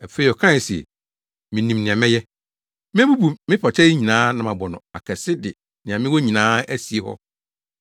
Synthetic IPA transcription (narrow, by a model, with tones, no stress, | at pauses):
æ˨fe˦i˨ɔ˨kʰã˦n˨si˨ɛ̰˨ | mɪ̃˨nĩ˨mnɪ̃˨ã˨mɪ̃˦jɛ˦ | mɪ̃˦bu˦bu˨mɪ̃˦pʰɔ˨t͡ɕʰɛ˦ɲĩ˨nãː˦nã˨mã˨bɔ˨nʊ̃˨a̰˨kʰɛ˨sɪ˦dɪ˨ | nɪ̃˨a˨mɪ̃˦wɔ˦ɲĩ˨nãː˦æ˦si˨e˨hɔ̰˦